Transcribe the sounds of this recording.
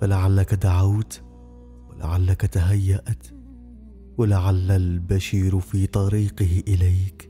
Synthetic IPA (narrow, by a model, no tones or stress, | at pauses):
falaʕalːakad̪aʕawt̪ | wɪla̰ʕalːakat̪aɦajːaʔt̪ | wɪlaʕalːalbaʃiːɾfiːt̪ˤɑɾiːqɪhɪʔɪlaːk